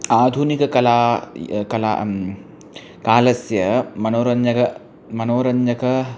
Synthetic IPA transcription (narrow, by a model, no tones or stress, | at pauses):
aːd̪ʱunikɐkɐlaːkɐla̰ | kaːlɐsjɐmɐnoːɾɐɲd͡ʒɐkɐ | mɐnoːɾɐɲd͡ʒɐkɐ